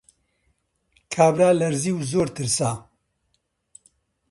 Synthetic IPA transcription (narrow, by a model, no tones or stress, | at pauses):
kʰaːbɾaːlɐɾziːwzoːɾt̪ʰɨɾsaː